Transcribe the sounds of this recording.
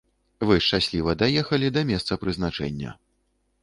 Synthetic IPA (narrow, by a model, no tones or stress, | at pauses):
vɨʂt͡ʂasʲlʲivɐd̪ajɛxɐlʲid̪ɐmʲɛst̪sɐpɾɨznat͡ʂɛ̰nʲːɐ̰